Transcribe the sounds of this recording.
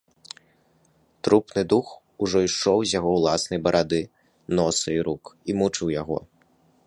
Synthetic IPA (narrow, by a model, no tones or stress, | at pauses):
t̪ɾupnɨd̪ux | uʐɔiʂɔwzʲjaɣɔwlˠasnɐjbɐɾʔad̪ɨ | nɔsɨiɾukimut͡ʂɨwjaɣɔ̰